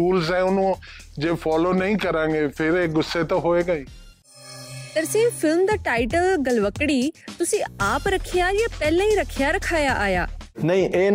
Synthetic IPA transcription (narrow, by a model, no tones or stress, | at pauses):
uːlzɛ̃ːʊnũ | d͡ʑeːfɔːlonɐĩkɐɾãːŋɡeːpʰɪɾeɡʊsːet̪õɦoːeɡaːĩː | t̪ɐɾsẽːfʰɪlmd̪aːʈaːɪʈəlɡɐlʋəkɽit̪ʊsĩaːpɾɐkʰijajaːpɛːlẽĩɾɐkʰijaɾɐkʰaːjaʔaːja̰ːnɐĩʔeː